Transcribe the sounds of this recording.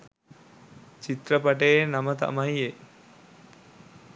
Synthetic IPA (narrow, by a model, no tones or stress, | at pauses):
t͡ʃit̪ɾəpɐʈenamət̪a̰maje